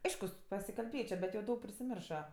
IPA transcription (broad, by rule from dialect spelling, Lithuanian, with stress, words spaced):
ˈɐɪʃkʊs pɐsʲɪkɐlʲˈbʲeːt͡ʃʲoː bʲɛt jɛʊ ˈdɐʊk pʲrʲɪsʲɪˈmʲɪrʃɐ